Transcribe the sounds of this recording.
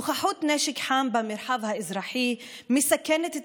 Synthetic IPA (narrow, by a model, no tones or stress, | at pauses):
xaħuːt̪nɛːʃɪkħaːmbamɪɾˤħavhaʔɪzɾˤɑːħimɪsakːant̪